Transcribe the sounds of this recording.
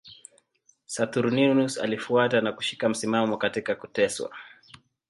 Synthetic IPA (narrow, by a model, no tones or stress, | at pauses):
sat̪uɾninusa̰lifuatanaku̥ʃi̥kam̩simamɔkatikakutɛswa̰